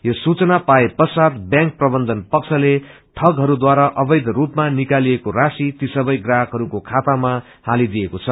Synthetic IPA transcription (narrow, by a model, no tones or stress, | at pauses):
josut͡sʌnapaepʌsat̪bjãŋk̚prʌbʌnd̪ʌnpʌkt͡sʰʌle | ʈʰʌɡɦʌɾud̪waɾaʔʌbʌjd̪rupmanikaliekorasit̪isʌbʌjɡrakɦʌɾukokʰat̪ama | halid̪ijekot͡sʰʌ